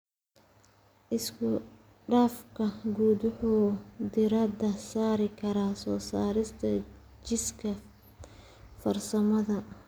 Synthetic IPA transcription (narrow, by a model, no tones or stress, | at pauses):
ʔɪskʰʊ | ɖaːfkʰɐɡuːd̪ʊħuːd̪ɪɾɐd̪ɐsaːɾɪkʰɐɾaːsɔːsaːɾɪst̪ʰɐ | t͡ʃɪskʰɐ | fɐrsɐmɐðɐ